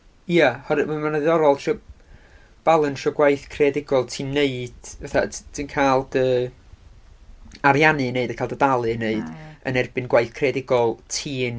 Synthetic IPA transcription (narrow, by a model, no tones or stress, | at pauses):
jjahɔɾɨmamanaðɨɔɾɔlˠʃɔ | b̥alˠənʃɔɡwajθkʰredɪɡɔlˠtʰiːnːeɨd̥vɛθa̰dʰinkʰaːlˠd̥əː | aɾjanɨneɨdənkʰaːlˠdədalˠɨneɨd̥ə̰nɛrbɨnɡwajθkʰrɛdɪɡɔlˠtʰiːn